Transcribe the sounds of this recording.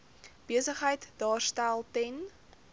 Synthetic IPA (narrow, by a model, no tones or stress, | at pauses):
b̥iəsəχɦəjtdɑːrstælˠtɛn